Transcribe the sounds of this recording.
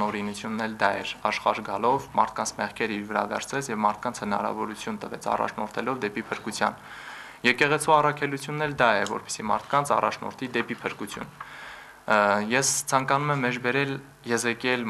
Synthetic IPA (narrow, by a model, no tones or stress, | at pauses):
ɔɾinut͡sʰjunːɛld̪ɑɛ̰ɾɑʃχɑ̰ɾɡɑlɔvmɑ̰ɾt̪̚ʰkɑnt͡sʰmɛχkʰɛɾiɾvəɾɑ̰vɛ̰ɾt͡sʰɛt͡sʰjɛvmɑɾt̪̚ʰkɑnt͡sʰhənɑ̰ɾɑ̰vɔɾut͡sʰjunt̪əvɛt͡sʰɑ̰rɑ̰t͡ʃʰnɔɾt̪ʰɛlɔvd̪ɛpipʰəɾkut͡sʰjɑ̰n | jɛkɛʁɛt͡sʰuɑrɑkʰɛlut͡sʰjunːɛld̪ɑɛvɔ̰ɾpɛ̥simɑ̰ɾt̪ʰkɑnt͡sʰɑ̰rɑt͡ʃʰnɔ̰ɾt̪ʰid̪ɛpipʰəɾkut͡sʰjṵn | jɛst͡sʰɑŋkɑnumɛmːɛd͡ʒbɛɾɛl | jɛzɛkɛl